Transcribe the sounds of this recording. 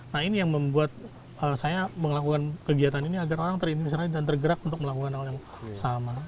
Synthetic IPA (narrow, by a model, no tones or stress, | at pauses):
nahinijaŋməmbuat̪̚ | ʔəːsajaməŋlakukankəɡiat̪aniniaɡaɾoɾaŋt̪ərinimisɾaidant̪ərɡəɾakunt̪ʊk̚məlakukanhaljaŋ | sama